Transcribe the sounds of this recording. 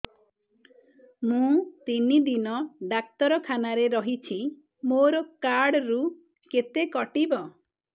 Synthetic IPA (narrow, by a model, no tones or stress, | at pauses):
mũt̪inid̪inɔɖak̚t̪ɔɾɔkʰanaɾeɾɔɦit͡ʃʰi | moɾɔkaɽɾu | ket̪ekɔʈibɔ